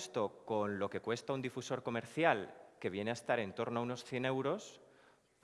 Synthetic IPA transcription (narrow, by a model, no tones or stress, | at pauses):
st̪o̞ko̞nlo̞ke̞kwe̞st̪aund̪ifuso̞ɾko̞me̞ɾθjalke̞β̞je̞neaest̪aɾe̞nt̪o̞ɾnoauno̞sθje̞ne̞wɾo̞s